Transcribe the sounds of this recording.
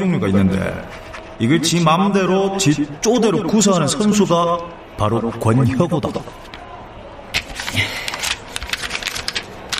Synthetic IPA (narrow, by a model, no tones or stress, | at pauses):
oŋɲuɡainːɯnde̞̰ | iɡɯɭt͡ɕimamde̞ɾot͡ɕit͡ɕ͈ode̞ɾokus̬ʰaɦanɯnsʰʌnsʰuɡa | paɾokwʌnçʌɡoda̰